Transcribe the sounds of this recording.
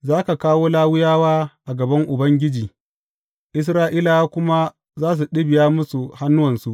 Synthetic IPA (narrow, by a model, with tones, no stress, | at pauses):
zaː˦ka˨kaː˦woː˦laː˦wʊ˦jaː˦waː˦ʔa˨ɡɐ˨bɐ˦ŋʔʊ˨bɐ˦ŋɡʲɪ˦d͡ʒiː˨ | ʔɪ˦s̬ɾaː˦ʔiː˦la˨wa˦kʷʊ˦ma˦ | zaː˦s̬u˨ɗɪ˦bɪ˨jaː˦mʊ˦su˨ha˦nːʊ˦wɐ˨nsu˦ʔ